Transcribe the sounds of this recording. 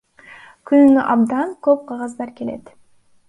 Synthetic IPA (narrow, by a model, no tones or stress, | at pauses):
kʰynynyʔɑbd̪ɑnkøp̚qʰɑʁɑzd̪ɑɾke̞le̞̰t̪